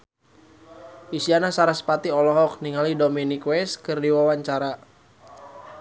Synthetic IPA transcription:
ʔisianasaɾaspat̪iɔlɔɦɔk̚niŋalidominikwɛskɨrdiwawaɲt͡ʃaɾa

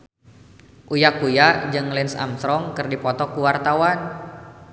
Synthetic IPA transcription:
ʔujakujaʔd͡ʒɨŋlɪnsa̰mst̪ɾɔŋkɨrdipɔt̪ɔkuwart̪awan

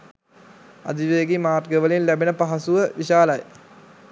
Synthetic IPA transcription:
ɐ̰d̪iʋeːɡimaːrɡəʋəlinlæbinəpaɦɐsuʋəʋiɕaːlɐj̰

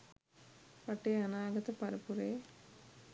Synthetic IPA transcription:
pɐʈeːɐnaːɡɐt̪ɐpɐɾɐpuɾeː

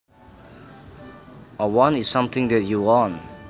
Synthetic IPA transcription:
ʔəwɔ̃nisːãmt̪ɪ̃ŋdɛt̚juɔ̃n

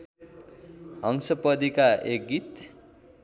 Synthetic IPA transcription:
ʌŋsʌpʌd̪ikaek̚ɡit̪

